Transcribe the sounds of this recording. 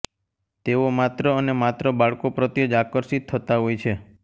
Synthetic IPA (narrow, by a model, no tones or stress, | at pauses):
t̪eomat̪ɾəːnemat̪ɾəbaɭkopɾət̪jəd͡ʒakəɾsit̪ʰːət̪aɦojt͡ʃʰe